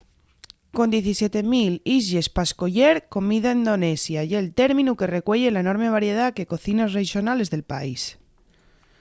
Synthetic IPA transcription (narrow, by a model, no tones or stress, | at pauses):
ko̞nd̪je̞θisje̞t̪e̞milize̞spaskoʝeɾko̞miðaend̪o̞ne̞sjaʝeːlt̪e̞ɾmĩnuke̞re̞kweʎe̞laeno̞ɾme̞β̞aɾje̞ð̞ake̞ko̞θinasreʃjonale̞zðe̞lpa̰is